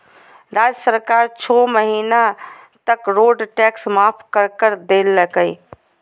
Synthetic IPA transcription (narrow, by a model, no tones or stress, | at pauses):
ɾaːd͡ʒəsəɾkaːɾt͡ʃʰɔːməɦiːna | t̪əkɾoːɖʈɛːksmaːpʰkəɾkəɾd̪eːlːəkəi